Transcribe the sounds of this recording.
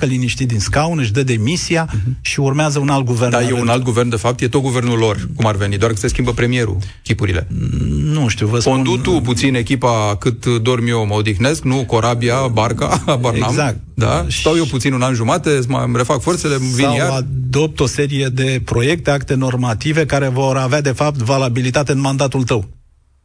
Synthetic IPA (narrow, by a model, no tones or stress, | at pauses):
kəliniʃt̪id̪inskawnɨʃ̬d̪əd̪e̞misiaʃiurmeazəunalt̪̚ɡuvernd̪ajewunalt̪̚ɡuvernd̪e̞fap̚t̪je̞t̪ot̪ɡuve̞rnulo̞rkumarve̞nid̪oarkɨt̪se̞skʲimbəpɾe̞mije̞ɾṵ | kʲipuɾḭle̞̰nuʃt̪iuvəsund̪ut̪up̬ut̪sine̞kʲipakɨt̪d̪o̞rmioməod̪ixne̞sknuko̞ɾabiabarka̰bareamzakt̪̚d̪a̰sawjewput̪sinunanʒumat̪e̞mə̰mɾe̞fakfo̞rt̪se̞levinjaad̪o̞p̚t̪o̞se̞ɾije̞d̪e̞pɾo̞je̞k̚t̪e̞akt̪e̞no̞rmat̪ive̞kaɾe̞vo̞ɾavead̪e̞fap̚t̪valabilit̪at̪eɨnmand̪at̪ult̪əw